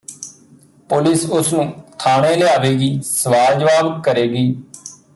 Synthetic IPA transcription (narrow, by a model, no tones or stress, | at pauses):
pʊlɪsʊsnũːt̪ʰaːɳẽːlɪaːʋeːɡiːsəʋaːd͡ʒʋaːlkəɾeːɡiː